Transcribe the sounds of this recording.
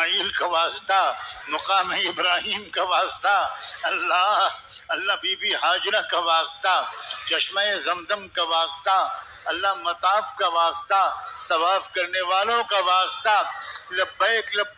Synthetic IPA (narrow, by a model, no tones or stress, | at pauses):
iːlkaʋaːst̪amɐqaːmeɪbɾaːɦiːmkaʋaːst̪aɐlːaɐlːabiːbiɦaːd͡ʒɾakaʋaːst̪at͡ʃɐʃmaezɐmzəmkaʋaːst̪a | ɐlːamɐt̪aːfkaʋaːst̪at̪ɐʋaːfkɐɾneʋaːlõkaʋaːst̪alɐbːɐeklɐb